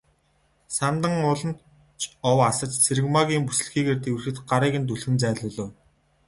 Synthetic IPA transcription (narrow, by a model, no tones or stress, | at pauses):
samt̪ə̆ŋʊɮə̆nt̪ | t͡ɕʰɔwasə̆t͡ɕt͡sʰeɾɘ̆ɣmaɣʲiːmpusɘ̆ɮxiːɣeːrt̪ewɘ̆rxɘ̆t̪ɢaɾiːɣɘ̆nt̪̬uɮxɘ̆nt͡sæːɮʊːɮŏw